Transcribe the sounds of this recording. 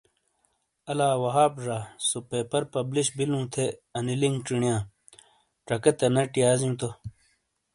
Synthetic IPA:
ɐlaːwɐɦaːbʐaːsopeːpɐɾpɐbliɕbilũːt̪ʰeɐniliŋɡʈ͡ʂiɳijãː | ʈ͡ʂɐkɐt̪ɐnɐʈijaːzjũːt̪o

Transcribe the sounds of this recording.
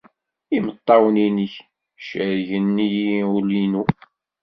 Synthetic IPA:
imət̪ˤːɑwniniç | ʃəɾʝənːijulinu

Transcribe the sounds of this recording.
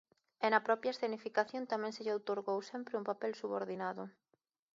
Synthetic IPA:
ɛnɐpɾɔpjɐesθenifikaθjõnt̪amɛ̃ŋseʎowt̪oɾɣowsɛmpɾɪumpapɛlsuβoɾðinaðʊ

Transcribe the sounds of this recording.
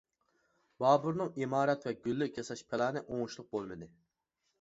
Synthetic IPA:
bɑːbuɾnɨŋimɑːɾɛt̪vɛɡʲylːykʲʰɑsɑʃpʰɪlɑːnɨʔoŋʊʃlˠʊq̚bolˠmɨd̪ɨ

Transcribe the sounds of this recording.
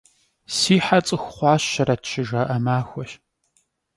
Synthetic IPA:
siːħat͡sʼɨxʷχʷɑːɕɐɾɐtʃɪʒaːʔɐmaːxʷɔʃ

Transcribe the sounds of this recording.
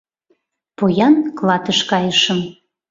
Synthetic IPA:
pojɑnklˠɑt̪əʃkɑjəʃəm

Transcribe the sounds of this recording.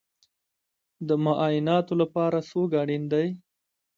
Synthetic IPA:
d̪əmʊʔɑjɪnɑt̪olapɑɾasoɡɑɽind̪aj

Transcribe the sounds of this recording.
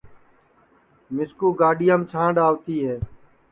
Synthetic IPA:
mɪskuːɡaːɗɪjamt͡ʃʰãːɖaːʋt̪iːɦɛː

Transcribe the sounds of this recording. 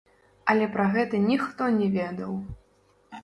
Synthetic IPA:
ɐlʲɛpɾɐɣɛt̪ɐnʲixt̪ɔnʲɛvʲɛd̪ɐw

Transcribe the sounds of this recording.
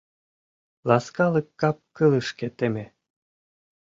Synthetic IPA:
lɑskɑlɯkːɑp̚kɯlɯʃket̪eme

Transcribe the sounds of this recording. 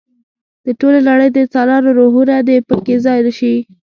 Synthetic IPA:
d̪̥əʈolelaɽəjd̪ət͡sɑlɑɾoɾoɦuɾad̪epəkezɑjɾəʃi

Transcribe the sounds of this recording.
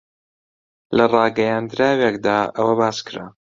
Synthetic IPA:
lɐrˤɑːɡɐjand̪ɾaːwekd̪aːʔɐ̰wɐbaːskɨɾa̰

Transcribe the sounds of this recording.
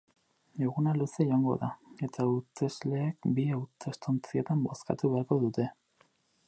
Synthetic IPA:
eɣunalusejaŋɡo̞̰ðae̞t̪aut̪e̞zle̞ːk̚biawt̪e̞st̪ont͡sie̞t̪ambo̞ska̰t̪uβe̞aɾko̞ðut̪e̞

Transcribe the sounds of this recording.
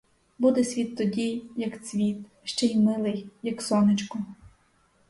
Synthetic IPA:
bud̪ɛsʲʋʲit̪ːɔdʲijjɐksʲʋʲit̪ | ʃt͡ʃɛimɪlˠɪjjɐksɔnɪt͡ʃkʊ

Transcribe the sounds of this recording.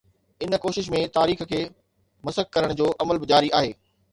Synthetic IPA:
ɪnkoːʃɪʃmẽt̪aːɾiːxkʰeː | mɐsək̚kɐɾəɽ̃d͡ʑoːʔɐməlbɪd͡ʑaːɾiʔaːɦeː

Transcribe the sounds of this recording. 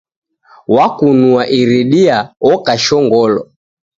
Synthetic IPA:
wakunuaʔiɾiɗiaɔkaʃɔŋɡɔlɔ̰

